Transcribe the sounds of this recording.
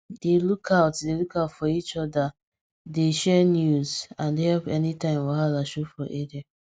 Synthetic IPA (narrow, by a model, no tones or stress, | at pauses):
delukʰaʊtdelukaʊtfɔit͡ʃɔda | deʃɛnjuzãndehɛlpɛnitãɪ̃mwɔalaʃofɹɔ̃ʔedia